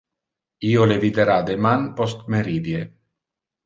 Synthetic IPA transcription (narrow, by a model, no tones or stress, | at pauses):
iolevid̪eɾad̪emanpost̪meɾid̪je